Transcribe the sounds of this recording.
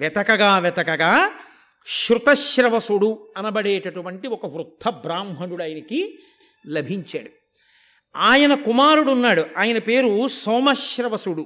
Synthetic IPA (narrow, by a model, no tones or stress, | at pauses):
ʋɛt̪ɐkɐɡaːʋɛt̪ɐkɐɡaː | ʃɾut̪ɐʃɾɐʋɐsuɽuɐnɐbɐɽeːʈɐʈuʋɐɳʈiɔkɐʋɾut̪ʰːɐbɾaːmɦɐnuɽɐːjɐnɐki | lɐbʱiɲt͡ʃa̰ːɽu | aːjɐnɐkumaːɾuɽunːaːɽuʔaːjɐnɐpe̞ːɾusɔːmɐʃɾɐʋɐsuɽu